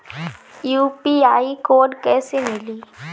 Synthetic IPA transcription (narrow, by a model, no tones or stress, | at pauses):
juːpiaːikoːɖkɛːsemɪliː